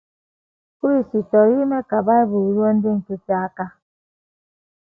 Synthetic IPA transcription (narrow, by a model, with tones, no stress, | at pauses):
ku˦ɾi˨si˨tɔ˨ɾi˦me˦ka˨ba˦i˦bu˨ɾu˦ɔ˦n̩˦di˦ŋ̩˨tu˦ti˦a˦ka˦